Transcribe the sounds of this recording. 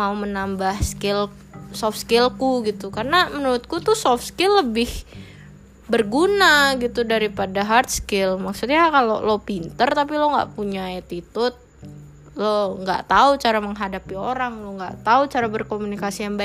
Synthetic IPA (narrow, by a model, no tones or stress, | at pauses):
maumənambahskɪl | sɔfskɪlkuɡit̪ukarnamənuɾʊt̪̚kut̪usɔfskɪlːəbɪh | bərɡunaɡit̪udaɾipadaɦart̪̚skɪlmaksut̪ɲakalo̰lopint̪ərt̪apiloŋɡa̰ʔpuɲat̪it̪ʊt̪̚ | loŋɡa̰ʔt̪aut͡ʃaɾaməŋɦadapioɾaŋloŋɡa̰ʔt̪aut͡ʃaɾabərkomunikasijaŋbaɪ